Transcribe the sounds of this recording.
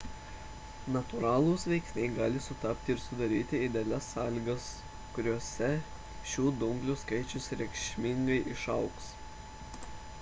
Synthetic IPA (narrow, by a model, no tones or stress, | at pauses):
nɐt̪ʊɾɑːlˠʊːsʋʲɛɪksʲnʲɛɪɡɑːlʲɪsʊt̪ɑpʲt̪ʲɪɪɾsʊd̪ɐɾʲiːt̪ʲɪɪd̪ʲelʲɛsːɑːlʲiːɡɐs | kʊɾʲuɔsʲɛ | ʃʲuːd̪ʊŋɡlʲuːskɐɪt͡ʃʲʊsɾʲɛɪkʃʲmʲɪŋɡɐɪʔɪʃɐʊks